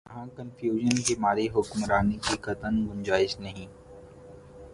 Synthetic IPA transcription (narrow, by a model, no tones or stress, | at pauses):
ɐɦãkənfjuːʒənkemaːɾiɦʊkmɾaːnekikɐt̪ənɡʊ̃nd͡ʒaːɪznɐɦĩː